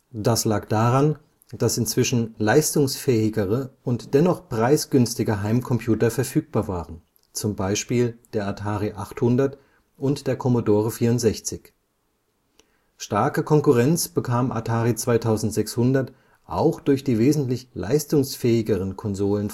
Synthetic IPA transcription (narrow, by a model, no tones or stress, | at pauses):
d̥aslaːkd̥aːʁan | d̥asɪnt͡sv̥ɪʃn̩laɪstʊŋsfɛːɪɡəʁəʊntd̥ɛnɔχpʁ̥aɪsɡ̥ʏnstɪɡəɦaɪmkʰɔmpʰj̥uːtɐfɛɐfyːk̚b̥aːɐvaːʁən | t͡sʊmbaɪʃpiːld̥eːɐatʰaːʁiʔaχthʊndɐt | ʔʊntd̥eːɐkʰɔmodoːʁəfiːɐʊntz̥ɛçt͡sɪç | ʃtaɐkəkʰɔŋkʊʁɛnt͡sb̥əkʰaːmʔa̰tʰaːʁit͡sv̥aɪtʰaʊzn̩tz̥ɛkshʊndɐt | ʔa̰ʊxd̥ʊɐçd̥iːveːzn̩tlɪçlʔa̰ɪstʊŋsfɛːɪɡəʁənkʰɔnzoːlən